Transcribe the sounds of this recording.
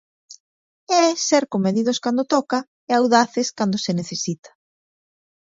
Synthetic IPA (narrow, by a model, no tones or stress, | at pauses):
ɛsɛɾkomeðiðʊskand̪ot̪ɔkɐ | eawðaθɪskand̪ʊseneθesit̪ɐ̥